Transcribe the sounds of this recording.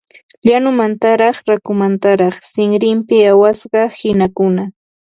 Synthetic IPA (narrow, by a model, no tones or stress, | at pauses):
ʎanʊmant̪aɾɑχɾakʊmant̪aɾɑχsɪŋɾɪmpɪawasɢɑhɪnakʊna